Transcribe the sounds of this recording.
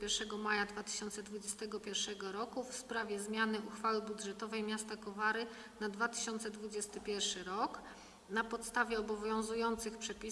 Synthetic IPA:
ɛɾʂɛɡɔmajad̪vat̪ɘ̥ɕɔnt̪sɛd̪vud͡ʑɛst̪ɛɡɔpʲjɛɾfʂɛɡɔɾɔkufspɾavʲjɛzmʲjanɘuxfawɘbud̪ʐɛt̪ɔvɛjmʲjast̪akɔvaɾɘ | nad̪vat̪ɘ̥ɕɔnt̪sɛd̪vud͡ʑɛst̪ɘpʲjɛɾfʂɘɾɔk | napɔt̪st̪avʲjɛɔbɔvʲjɔ̃w̃zujɔnt̪sɘxpʂɛpʲi

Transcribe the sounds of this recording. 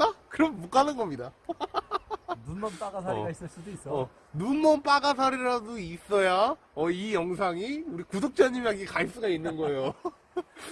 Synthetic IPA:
takɯɾʌmːuk͈anɯnɡʌmɲida | nunːʌnp͈aɡasʰaɾiɡais͈ɯɭs͈udois͈ʌʌ | nunːʌnp͈aɡas̬ʰaɾiɾaduis͈ʌja | ʌijʌŋs̬ʰaŋiuɾikudok̚t͡ɕ͈aɲimaŋɡekais͈uɡainːɯnɡʌe̞jo

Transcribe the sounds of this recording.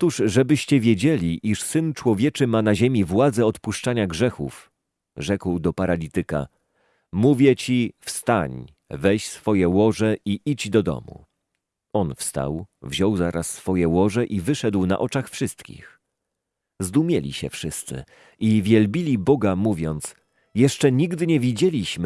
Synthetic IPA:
t̪uʐʐɛbɘɕt͡ɕɛvʲjed͡ʑelʲiʔiʂsɘnt͡ʂwɔvʲjɛt͡ʂɘmanaʑemʲivwad̪zɛɔt̪puʂt͡ʂaɲaɡʐɛxṵf | ʐɛkwd̪ɔpaɾalʲit̪ɘka̰ | muvʲjɛt͡ɕifst̪aɲ | vɛɕsfɔjɛwɔʐɛiʔid͡ʑd̪ɔd̪ɔ̰mṵ | ɔnfst̪a̰wvʑɔwzaɾasːfɔjɛwɔʐɛʔivɘʂɛd̪wna̰ʔɔt͡ʂaxfʂɘst̪kʲḭx | zd̪umʲjɛlʲḭɕɛ̰fʂɘst̪sɘ̰ | ʔivʲjɛlbʲilʲibɔɡamuvʲjɔnt̪s | jɛʂt͡ʂɛɲiɡd̪ɘɲɛvʲid͡ʑelʲiɕmɘ

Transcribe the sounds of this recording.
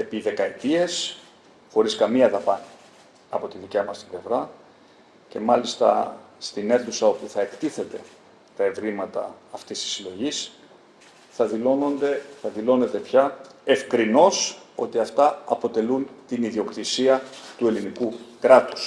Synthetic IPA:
e̞piðe̞kɐet̪ie̞s | xo̞ɾiskɐmiɐðɐpɐn | ɐpo̞t̪iðicɐmɐst̪ible̞vɾɐ | ce̞mɐlist̪ɐ̰st̪ine̞θusɐo̞puθɐe̞kt̪iθe̞t̪e̞ | t̪ɐe̞vɾimɐt̪ɐ̰ːft̪ist̪i̥silo̞ʝis | θɐðilonond̪eθɐðilo̞ne̞t̪e̞pçɐe̞fkɾino̞so̞t̪iɐft̪ɐɐpo̞t̪e̞lunt̪iniðio̞kt̪isiɐt̪ue̞linikukɾɐt̪u̥s

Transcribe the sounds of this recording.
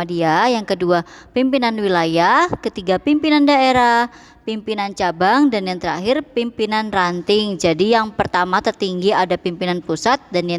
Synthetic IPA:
adiajaŋkəduapimpinanwilajahkət̪iɡapimpinandaeɾah | pimpinant͡ʃabaŋdanjaŋt̪əɾa̰ɦɪrpimpinanrant̪ɪŋd͡ʒadijaŋpərt̪amat̪ərt̪iŋɡiadapimpinanpusat̪̚danja

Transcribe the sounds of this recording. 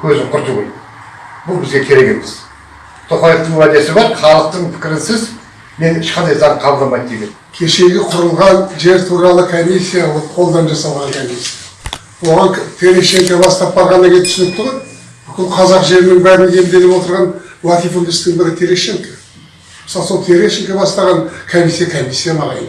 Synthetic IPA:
kʰɵzɪŋqʰʊɾt̪uʁoj | bʊlˠbɪzɡʲe̞kʲʰe̞ɾe̞ke̞mez̥ | t̪ʰoχɑjəft̪əɴwæd̪e̞sɪbɑɾχɑlˠəq̚t̪əɴpʰɪ̥kʲɪɾɪnsɪz | me̞nɪʃqɑnd̪ɑjzɑɴqʰɑbəlˠd̪ɑmɑjd̪d̪ekʲenkʲʰe̞ʃe̞ɡʲɪqʰʊɾəlˠʁɑnʒe̞ɾt̪ʰuɾɑlˠəkʰomisʲːijawoqʰo̞lˠd̪ɑnʒɑsɑlˠʁɑŋkʰomisʲija | wo̞ʁɑŋt̪ʰe̞ɾeʃe̞ŋkʲabɑst̪ɑp̚bɑɾʁɑnɑɡʲet̪ʰʏsɪnɪp̚t̪ʰʊʁɑn | bʏkʲɪlˠqʰɑzɑqʒe̞ɾɪnɪŋbæɾɪnje̞md̪e̞lɪβwot̪əɾʁɑnwat̪ifund̪ɪst̪ɪŋbɪɾɪt̪ʰeɾeʃeŋkḁ | məsɑlˠso̞lˠt̪ʰe̞ɾeʃeŋkʲabɑst̪ɑʁɑnkʰomisijakʰomisʲːijamɑʁɑj

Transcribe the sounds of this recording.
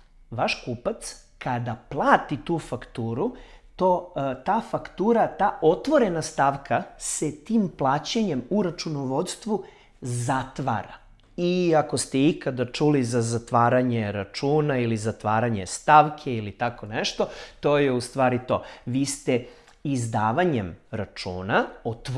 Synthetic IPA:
ʋaʃkuːpat̪s | kad̪aplˠaːt̪it̪uːfakt̪uːɾut̪ot̪aːfakt̪uːɾat̪aːo̞t̪ʋo̞ɾe̞nast̪aːʋkaset̪iːmplˠaːt͡ɕeɲe̞muɾat͡ʃunoʋo̞d̪st̪ʋu | zat̪ʋa̰ɾa̰ | iako̞st̪eikad̪at͡ʃulizazat̪ʋaːɾaɲeɾat͡ʃuːnailizat̪ʋaːɾaɲe̞st̪aːʋkʰe̞ilit̪ako̞neʃt̪o̞t̪o̞ːjeust̪ʋaːɾit̪o̞̰ːʋiːst̪e | izd̪aːʋaɲemɾat͡ʃṵːnaot̪

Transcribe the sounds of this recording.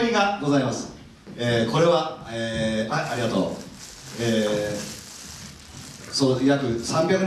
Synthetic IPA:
mʲiɡaɡo̞zaimasɨ̥ | eːko̞ɾe̞βaeaʔaɾʲiɡat̪o̞̰ː | eː | soːjakɯ̟sãmbʲakɯn

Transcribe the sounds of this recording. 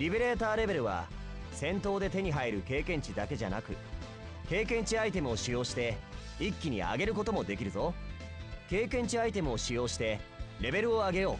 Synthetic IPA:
ɾʲibe̞ɾe̞ːt̪aːɾe̞be̞ɾɯ̟βa̰ | sẽ̞nt̪o̞ːd̪e̞t̪e̞ɲ̟iɦaiɾɯ̟ke̞ːkẽ̞ɲ̟t͡ɕid̪ake̞ʑa̰na̰kɯ̟ | ke̞ːkẽ̞ɲ̟t͡ɕiait̪e̞mɯ̟o̞ɕijo̞ːɕi̥t̪e̞ | ikʲːiɲ̟ia̰ɡe̞ɾɯ̟ko̞t̪o̞mo̞d̪e̞kʲiɾɯ̟zo̞ | ke̞ːkẽ̞ɲ̟t͡ɕiait̪e̞mɯ̟o̞ɕijo̞ːɕi̥t̪e̞ɾe̞be̞ɾɯ̟o̞aɡe̞jo̞ː

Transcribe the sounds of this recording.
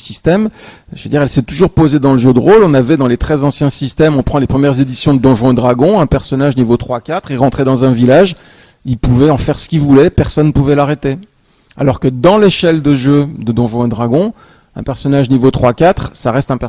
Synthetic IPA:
sist̪ɛm | ʒəved̪iʁɛlsɛt̪uʒuʁpozed̪ɑ̃ləʒød̪əʁolɔ̃navɛd̪ɑ̃let̪χɛzɑ̃sjɛ̃sist̪ɛmɔ̃pχɑ̃lepχəmjɛʁzed̪isjɔ̃d̪əd̪ɔ̃ʒwɛ̃d̪ʁaɡɔ̃ɛ̃pɛʁsɔnaʒnivot̪χwakʲat̪χeʁɑ̃t̪χed̪ɑ̃zɛ̃vilaʒ | ilpuvɛɑ̃fɛʁsə̥kʲilvulɛpɛʁsɔnːəpuvɛlaʁet̪e | a̰lɔʁkəd̪ɑ̃leʃɛld̪əʒød̪əd̪ɔ̃ʒwɛ̃d̪ʁaɡɔ̃ | ɛ̰̃pɛʁsɔnaʒnivot̪χwakat̪χsaʁɛst̪ɛ̃pɛ

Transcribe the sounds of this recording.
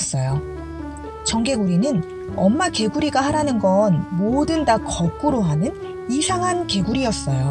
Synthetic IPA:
s͈ʌjo | t͡ɕʌŋɡe̞ɡuɾinɯn | ʌmːake̞ɡuɾiɡaɦaɾanɯnɡʌnmodɯndakʌk͈uɾoɦanɯn | isʰaŋɦanke̞ɡuɾijʌs͈ʌjo

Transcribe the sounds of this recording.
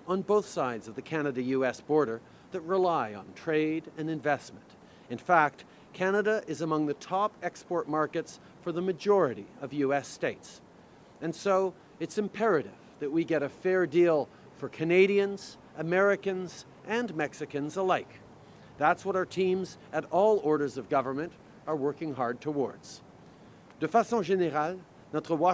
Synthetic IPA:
ə̃n̩boʊθsaɪdzʌvðɨkʰænɨɾɨjʉɛsb̥ɔɹɾə˞ | ðɨt̚ɹəlaɪə̃ntʰɹ̥eɪɾɨ̃nɨ̃ɱvɛsmɨ̃nt | ɨ̃nfæk̚t̚ | kʰænɨɾɨʔɪzəmʌ̃ŋðɨtʰɑpɛkspɔɹt̚mɑɹkɨts | fə˞ðəmɨd͡ʒɔɹɨɾḭʌvjʉɛsteɪts | ɨ̃nsoʊ | ɨtsɨ̃mpʰɛɹɨɾɪv̥ðɨt̚wiɡɛɾɨfɛɹdilˠ | fə˞kʰɨneɪɾiɨ̃nz̥ | ʔɨmɛɹɨkɨ̃nz | ʔɨ̃nmɛksɨkɨ̃nzəlaɪk | ðætswʌɾaʊə˞tʰĩmzɨɾɔlˠɔɹɾə˞zʌvɡʌvə˞mɨ̃nt | ə˞wɜ˞kɪ̃ŋɦɑɹd̚tʰəwɔ̰ɹdz̥ | d̥ɨfæsɑ̃ʒɛnəɾal | nətʁəwɑ

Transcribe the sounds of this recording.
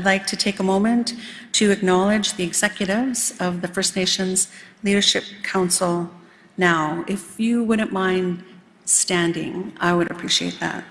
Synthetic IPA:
dˡlaɪk̚tʰɨtʰeɪkəmõʊ̃mɨ̃ntʰɨɨknɑlˠɪd͡ʒðiɨɡz̥ɛkjɨɾɪvz̥ʌvðɨfɜ˞sneɪʃɨ̃nzliɾə˞ʃɪp̚kʰãʊ̃nsl̩ˠ | naʊɪfjɨwʊdⁿn̩mãɪ̃nd | stæ̃ndɪ̰̃ŋaɪwɨɾɨpʰɹ̥iʃiḛɪt̪̚ðæ̰t̚

